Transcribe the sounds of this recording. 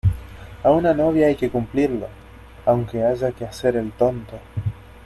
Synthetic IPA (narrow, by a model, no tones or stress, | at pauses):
aunano̞β̞jaajke̞kumpliɾlo | awŋkeaʒakease̞ɾe̞lt̪o̞nt̪o̞